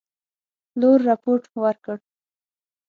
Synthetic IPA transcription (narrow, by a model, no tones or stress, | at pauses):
loɾːapoʈwəɾkəɽ